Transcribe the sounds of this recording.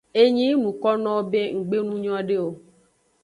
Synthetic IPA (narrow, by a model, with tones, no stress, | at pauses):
e˦ɲĩ˦nũ˨kɔ˦nɔ̃˦wo˦be˦ŋ̩˨ɡ͡be˦nũ˦ɲ˦ɔ̃˦ɖe˦o˦